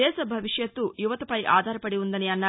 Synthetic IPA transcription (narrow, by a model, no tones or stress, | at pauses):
ɛːʃɐbʱɐʋiʂjɐt̪ːujuʋɐt̪ɐpɐjʔa̰ːd̪ʱaːɾɐpɐɽiund̪ɐniɐnːɐ